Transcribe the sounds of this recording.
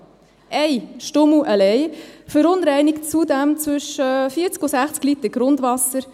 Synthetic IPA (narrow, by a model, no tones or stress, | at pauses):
ʔɛɪʃtʊmuʔəlɛɪfəɾʊnɾɛɪnɪkt͡sudæmt͡sʋʏʃəfiːt͡skʊsæχt͡sklitəɡ̥ɾʊndʋɑsəɾ